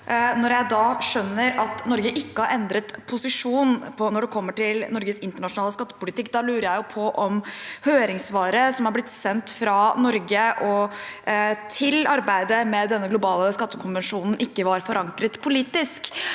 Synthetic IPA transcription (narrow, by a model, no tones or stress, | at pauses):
nɔɾjæɪd̪ɑːʂœnːəɾɑt̪nɔɾɡəʔɪkːəhɑɾɛnd̪ɾət̪pʰʊsɪʂuːnpʰɔnɔɖɛkʰɔmːəʈɪlnɔɾɡəsɪnt̪əɳɑʂʊnɑːləskɑt̪ːə̥pʊlɪt̪ɪkːd̪ɑlʉːɾəjæɪjʊpʰɔʔɔmhøːɾɪŋsʋɑːɾəsɔmhɑɾblɪt̪ːsɛnt̪fɾɑnɔɾɡəʔɔ | t̪ʰɪlɑɾbæɪd̪əmɛd̪ɛnːəɡlʊbɑːləskɑt̪ːəkʰʊnʋənʂuːnn̩ʔɪkːəʋɑɾfɔɾɑŋkɾət̪pʰʊliːt̪ɪsk